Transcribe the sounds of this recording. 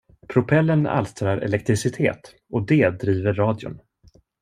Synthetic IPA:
pʰɾʊpʰɛlːəna̰lst̪ɾaɾɛ̰lɛk̚t̪ɾɪsɪt̪ʰḛːt̪ | ɔd̪eːd̪ɾiːvəɾːɑːd̪jʊ̰n

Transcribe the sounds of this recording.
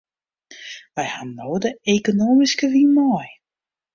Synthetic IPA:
ʋɛjhanːoːdəekonoːmiskəʋimɔj

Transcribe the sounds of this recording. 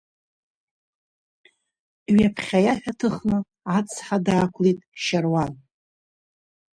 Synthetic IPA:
ɥapʰχʲajaħᶣatʰɨχnɨ | at͡sʰħadaːkʷʰlitʼʃarwan

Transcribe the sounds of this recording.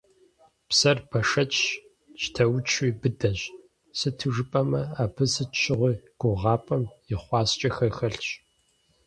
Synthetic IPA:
psɐrbʰɐʂɐt͡ʃʼ | t͡ʃtʰɐwt͡ʃʰiːbɨdɐʑ | sɨtʰɨʐɨpʼɐmɐaːpʰɨsɨt͡ʃt͡ʃɪʁʷiːɡ̥ʷʊʁɑːpʼɐmjɪχʷɑːst͡ʃʼɐxɐxɐɬt͡ʃʼ

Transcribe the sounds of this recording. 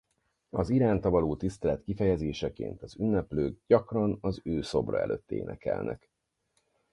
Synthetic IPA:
ɒziɾaːnt̪ɒvɒloːt̪ist̪ɛlɛt̪kifɛjɛzeːʃɛkḛːnt̪ɒzynːɛpløːɡ̚ɟɒkrɒnɒzøːso̞brɒ̰ɛ̰løːt̪ːḛːnʔɛkɛ̰lnʔɛ̰k

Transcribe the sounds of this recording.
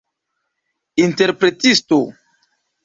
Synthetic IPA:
inte̞ɾpɾe̞tisto

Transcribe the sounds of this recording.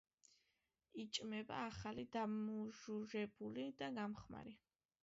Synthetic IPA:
it͡ʃʼmɛba̰ːχalid̪amuʒuɾɛbulid̪aɡamχma̰ɾi

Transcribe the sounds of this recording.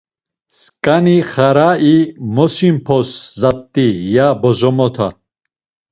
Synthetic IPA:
skʼaniχaɾaimɔsimpʰɔszat̪ːijabɔzɔmɔt̪ʰa̰

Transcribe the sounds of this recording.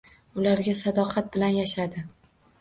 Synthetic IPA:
ʊlaɾɡʲasad̪ɒqʰɑt̪̚bɪlanjaʃad̪ɪ

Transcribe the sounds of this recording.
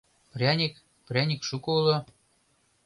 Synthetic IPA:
prʲɑnʲik | prʲɑnʲikʃukɤulɤ̆

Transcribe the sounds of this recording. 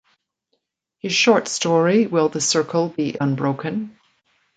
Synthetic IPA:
ɪ̥ʃɔɹtstɔɹiwɪlˠðəsɜ˞kʰəl̩ˠbiʔə̃nbɹoʊkʰə̃n

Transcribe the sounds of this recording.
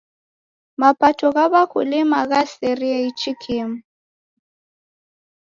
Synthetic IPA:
mapʼatʰɔɣaβakʰʊlimaɣasɛriait͡ʃʰʼikʰim̩

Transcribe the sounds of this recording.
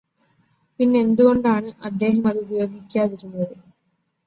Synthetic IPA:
pinːe̞end̪uɣo̞ɳɖaːɳɨʔɐd̪ːe̞ːɦɐmɐðɨubijo̞ːɡikʲːaːðiɾunːɐðɨ

